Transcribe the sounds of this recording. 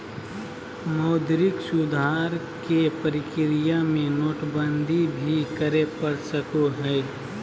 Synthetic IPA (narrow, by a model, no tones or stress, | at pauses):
mɔːd̪ɾɪksʊd̪ʱaːɾ | kepəɾɪkɾijamẽnoːʈbənd̪ʱibʱikəɾepəɾsəkoɦɛː